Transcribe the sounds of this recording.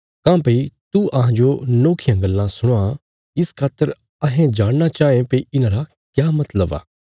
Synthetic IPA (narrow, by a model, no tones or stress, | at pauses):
kãːpeit̪uɐɦãd͡ʒonoːkʰijãɡɐlːãsʊɽ̃a | ɪskʰaːt̪ːəɾ | ɐɦẽd͡ʒaːɽnat͡ʃaːẽpeiɪnãːɾa | kjaːmɐt̪ləba̰ː